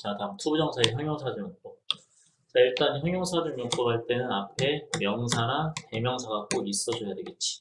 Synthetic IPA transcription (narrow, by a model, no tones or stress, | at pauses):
t͡ɕatamtʰubud͡ʑʌŋsʰaeçjʌŋjoŋsʰadɯŋokt͈o | t͡ɕaiɭt͈ançjʌŋjoŋsʰadɯŋɲok͈obaɭt͈e̞nɯnapʰe̞mjʌŋsʰaɾate̞mjʌŋsʰaɡak͈ois͈ʌd͡ʑʌjadwe̞ɡet̚t͡ɕ͈i̥